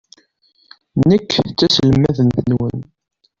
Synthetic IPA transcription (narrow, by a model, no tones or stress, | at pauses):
nəkːt͡sːæsələmːæðənθənwən